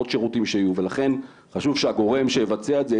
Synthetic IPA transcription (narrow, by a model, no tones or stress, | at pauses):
otʃe̞ʁutimʃeajuve̞laχe̞n | χaʃuvʃeaɡo̞ʁe̞mʃejevat͡seaet̪ze